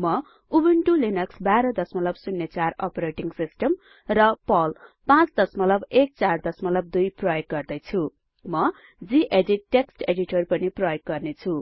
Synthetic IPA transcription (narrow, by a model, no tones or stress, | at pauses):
mʌ | ubeɳʈulinʌksbaɾʌd̪ʌsmʌlʌbsunːet͡sarʌ̰pɾeʈiŋsisʈʌm | rʌpʌlpãt͡sd̪ʌsmʌlʌbek̚t͡sard̪ʌsmʌlʌb̚d̪ujprʌjek̚ɡʌrd̪ʌjt͡sʰu | mʌ | d͡ziʔeɖiʈːeksʈeɖiʈʌrpʌniprʌjek̚ɡʌrnet͡sʰu